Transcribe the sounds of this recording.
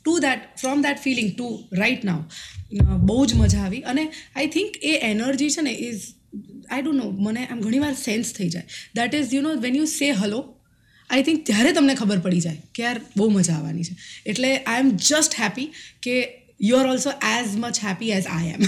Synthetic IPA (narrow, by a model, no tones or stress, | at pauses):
ʈud̪æʈfɾɔ̃md̪æʈfilɪ̃ŋɡʈuɾaɪʈnaʊ | bəud͡ʒməd͡ʒaːʋiʔəneajt̪ʰɪ̃ŋkeʔenəɾd͡ʒit͡ʃʰeneʔɪz | ajɖõːnːoməneʔamɡʱəɽ̃iʋaɾsɛ̃nst̪ʰəid͡ʒa̰jd̪æʈɪzjunoːʋɛnjuseɦəlo | ajt̪ʰɪ̃ŋk̚t̪jaɾet̪əmnekʰəbəɾpəɽid͡ʒajkeaɾbəɦuməd͡ʒaːʋa̰nit͡ʃʰeːʈleajɛ̃md͡ʒʌsʈhæpike | juaɾɔlsoʔæzmʌt͡ʃhæpiæza̰jɛ̰̃m